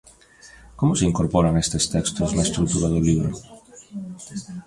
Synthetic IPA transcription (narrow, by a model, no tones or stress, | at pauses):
komʊseiŋkoɾpɔɾaŋest̪est̪ɛkst̪oznaest̪ɾuk̚t̪uɾaðoliβɾo